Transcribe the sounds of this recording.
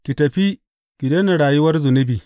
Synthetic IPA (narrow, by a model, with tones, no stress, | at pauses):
kʲi˨tɐ˨ɸi˦ | kʲi˨de˦na˨ɽaː˨jʊ˦wɐ˦rzʊ˨nʊ˦biː˨